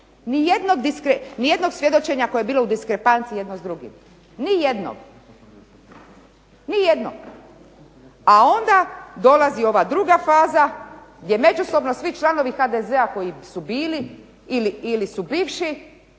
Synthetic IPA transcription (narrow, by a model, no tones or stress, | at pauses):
nije̞d̪no̞ɡd̪iskɾenije̞d̪no̞ɡsʋje̞d̪o̞t͡ʃe̞ɲako̞jebiːloud̪iskɾe̞pant̪sije̞d̪nozd̪ɾuɡḭm | nije̞d̪no̰ɡ̥ | nijed̪no̰ | ao̞nd̪ad̪o̞lazio̞ʋad̪ɾuɡafaːzaɡd̪je̞me̞d͡ʒuso̞bno̞sʋit͡ʃlˠano̞ʋixad̪ezeako̞jisubiːli | iliilisubiːʋʃi